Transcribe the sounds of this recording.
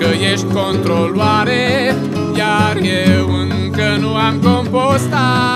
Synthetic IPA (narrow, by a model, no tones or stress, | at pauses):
əjeʃt̪̚ʲkont̪ɾolwaɾe | jarjewɨŋ | kənuamkompost̪a